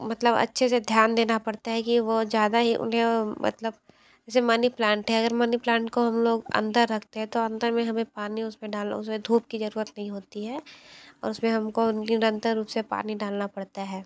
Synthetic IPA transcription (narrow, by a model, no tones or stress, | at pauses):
mɐt̪ləbɐ̰tːʃʰesed̪ʱjaːnd̪eːnapɐɽt̪aɦɛkiʋozjaːd̪aɦiʔʊ̰nɦẽmɐ̰t̪ləb | ɛːsemaːniplãːɳʈɦɛɐɡəɾmaːniplãːɳʈkoɦɐmloːɡɐ̰̃nd̪əɾːɐkʰt̪eɦɛ̃t̪oɐ̃nd̪əɾmẽɦɐmẽpaːniʊsmẽɖaːlʊ̰smẽd̪ʱuːp̚kizɐɾuːɾət̪nɐɦĩɦoːt̪iɦɛːɔ̰ːɾʊsmẽɦɐmkonɪɾə̃nt̪əɾːuːpsepa̰ːniɖaːlnapɐɽt̪aɦɛː